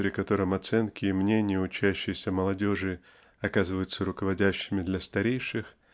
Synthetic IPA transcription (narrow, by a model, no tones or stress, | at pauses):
pɾʲɪkɐt̪o̞ɾɨmɐt̪sɛnkʲɪːmnʲenʲɪjəʊt͡ɕæɕːɪjɪsʲəməlˠɐdʲo̞ʐɨ | ɐkazɨvəjʊt̪səɾʊkəvɐdʲæɕːɪmʲɪd̪lʲɐst̪ɐɾʲejʂɨx